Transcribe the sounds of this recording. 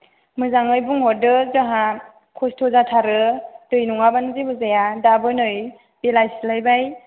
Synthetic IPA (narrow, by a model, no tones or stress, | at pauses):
mɯzaŋɯjbuŋɦɔdɯzaɦa | kʰɔstʰɔzatʰaɾɯd̥ɯjnuŋabanzibɯzajadabɯnɯj | belajslajbaj